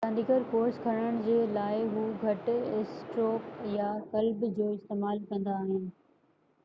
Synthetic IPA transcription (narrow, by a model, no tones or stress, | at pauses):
sãːnd̪iːkəɾkoːɾskʰɐɾɽ̃əɽ̃ɪ̆d͡ʑeːlaːɪɦuːɡʱɐʈɪsʈɾoːkjakɐlbd͡ʑoːɪst̪eːmaːlkɐ̃nd̪aːɦɪnɪ̆